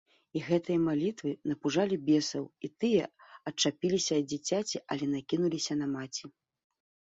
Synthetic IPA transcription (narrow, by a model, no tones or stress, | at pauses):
iɣɛt̪ɨjɐmalʲit̪vɨnɐpuʐalʲibʲɛsɐwit̪ɨjɐɐt͡ʂapʲilʲisʲɐːd͡zʲit͡sʲat͡sʲiʔɐ̰lʲɛn̪akʲinulʲisʲɐn̪ɐmat͡sʲi